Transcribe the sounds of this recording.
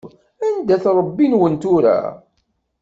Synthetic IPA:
ænd̪æθɾˤəbːinwənt̪ʊɾæ̰

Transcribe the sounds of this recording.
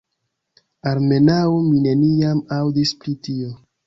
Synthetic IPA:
aɾme̞nawmine̞niamawdispɾitio̞

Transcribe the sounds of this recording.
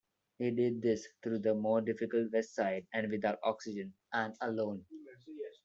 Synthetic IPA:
hiːɖɪɖ̪̚d̪ɪst̪ʰɾuːd̪əmoːɾɖɪfɪkəlʈʋɛsʈsaɪɖæ̃nɖʋɪd̪aʊʈɔ̰ːksɪd͡ʒə̃n | æ̃nəlõːn

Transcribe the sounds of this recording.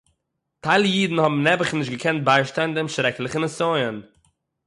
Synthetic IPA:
tʰaɪlˠjiːdn̩hɔbm̩nɛbəχnɪʃtɡəkʰɛnt̚baɪʃtandɪmʃɾɛklˠɪχənəsɔɪən

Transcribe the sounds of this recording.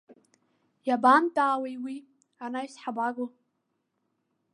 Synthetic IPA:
jabamtʼaːwejwi | anaisħabaɡo

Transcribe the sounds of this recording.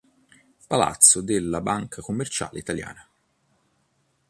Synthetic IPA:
pala̰t̪sːod̪elːabaŋkʰakomːert͡ʃa̰ːlḛit̪alja̰ːna

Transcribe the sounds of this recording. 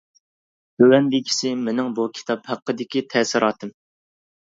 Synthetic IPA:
b̥øwɛnd̪ɪkʲʰi̥sɪmɪnɪŋbukʲʰi̥t̪ʰɑphæqːəd̪ɪkʲit̪ʰɛːsɪɾʔɑːt̪ʰɨm

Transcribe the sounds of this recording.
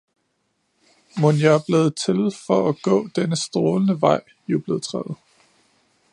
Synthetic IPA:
monjɑb̥leːð̩ˠt͡sʰe̝lfɒ̽æɡ̥ɔ̰̽ːd̥enəsd̥ʁɔːlənəʋɑ̈ɪ̰ | jub̥le̝ːð̩ˠt͡sʰʁɛ̰ð̩ˠ

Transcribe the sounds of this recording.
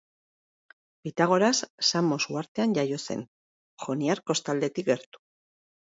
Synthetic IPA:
pit̪aɣ̞o̞ɾasːamo̞suaɾt̪e̞anʝajo̞se̞̰n | xo̞niaɾko̞st̪ald̪e̞t̪ik̚ɡe̞ɾt̪u̥

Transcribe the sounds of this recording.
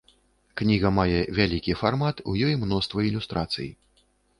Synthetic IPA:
knʲiɣɐmajɛvʲalʲikʲifarmat̪ujɔjmnɔst̪vɐilʲust̪ɾat̪sɨ̰jḭ

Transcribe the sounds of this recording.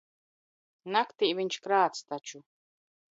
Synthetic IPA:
nakt̪iːviɲʲt͡ʃkɾaːt̪st̪at͡ʃu

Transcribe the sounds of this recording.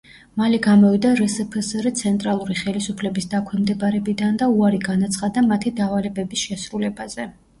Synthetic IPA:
malɛɡamɔvid̪aɾɛsɛpʰəsɾɛt̪sʰɛnt̪ʼɾalˠuɾiχɛlisupʰlɛbisd̪akʰwɛmd̪ɛbaɾɛbid̪and̪auaɾiɡanat̪sʰχad̪amat̪ʰid̪avalɛbɛbisʃɛsɾulɛbaz̥ɛ

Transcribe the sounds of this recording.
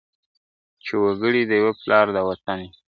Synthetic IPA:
t͡ʃewaɡəɽid̪əjweplɑɾd̪əwat̪ane

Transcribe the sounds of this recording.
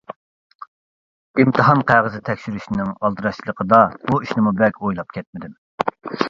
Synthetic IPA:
imt̪ʰɨɦɑnqʰæʁəzɪt̪ʰɛkʲʃyɾyʃnɪŋɑlˠd̪ɨɾɑʃt͡ʃʰlˠəqʰəd̪ɑbuiʃnɪmubɛkʲojlˠɑp̚kʲʰɛt̪̚mɪd̪ɪm

